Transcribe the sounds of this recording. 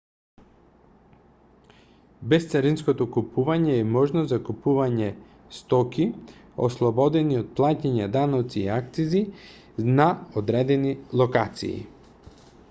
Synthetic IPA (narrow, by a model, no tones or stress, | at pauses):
bɛst̪saɾinskot̪okupuvaɲɛːmɔʒnozakupuvaɲɛ | st̪ɔki | oslˠɔbɔd̪ɛniot̪̚plˠacaɲad̪anɔt̪siːakt̪sizi | naod̪ɾɛd̪ɛnilˠokat̪sḭḭ